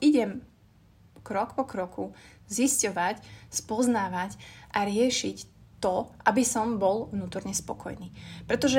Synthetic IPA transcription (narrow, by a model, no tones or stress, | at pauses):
iɟɛm | kɾɔkpɔkɾɔkʰuziscɔʋacspɔznaːʋacʔaɾɪɛʃict̪ɔʔabisɔmbɔlʋnuːt̪ɔɾɲɛspɔ̰kʰɔ̰jniːpɾɛt̪ɔʒɛ